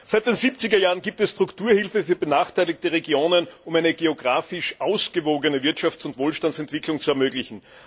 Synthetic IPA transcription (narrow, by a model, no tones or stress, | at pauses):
z̥aɪt̚d̥eːnziːp̚t͡sɪɡɐjaːʁənɡiːp̚tɛstʁ̥ʊktʰuːɐhɪlfəfyːɐbənaːχtʰæɪlɪk̚təʁeɡjoːnənʊmæɪnəɡeoɡʁaːfɪʃʔaʊsɡ̥əvoːɡənəvɪɐtʃaft͡sʊntv̥oːlʃtantsɛntv̥ɪklʊŋt͡suɛɐmøːɡlɪçn̩